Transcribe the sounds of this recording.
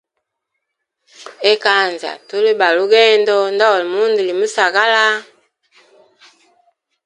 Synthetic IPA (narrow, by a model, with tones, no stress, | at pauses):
e˦ka˦˨nza̰˨tu˦le˦ɓa˨lu˦ɡɛ˦ndɔ˦ndɔ˦˨lmu˦ndi˨li˨mu˦sa˨ɣa˦la˦